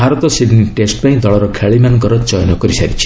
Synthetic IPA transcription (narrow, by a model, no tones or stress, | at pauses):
bʱaɾɔt̪ɔsidniʈesʈpaĩd̪ɔɭɔɾɔkʰaɭimanɡɔɾɔt͡ʃɔjnɔkɔɾisa̰ɾit͡ʃʰi̥